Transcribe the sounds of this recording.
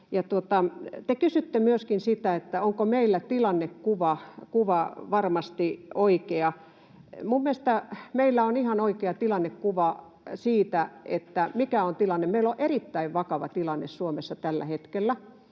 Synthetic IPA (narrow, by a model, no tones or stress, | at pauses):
jɑt̪uot̪ɑt̪ekysyt̪ːemyøskinsit̪æet̪ːæoŋkomeilːæt̪ilɑnːekkuʋɑkuʋɑʋɑrmɑst̪ioikeɑ | mumːiest̪æmeilːæonihɑnoikeɑt̪ilɑnːekkuʋɑ | siːt̪æḛt̪ːæmikæont̪ilɑnːemmeiloʔerit̪ːæiʋʋɑkɑʋɑ̰t̪ilɑnːessuomesːɑt̪ælːæ̰het̪kelːæ